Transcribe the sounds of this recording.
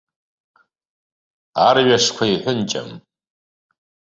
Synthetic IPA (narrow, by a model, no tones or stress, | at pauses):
arɥaʂkʷʰaiħʷʊnt͡ʃʼa̰m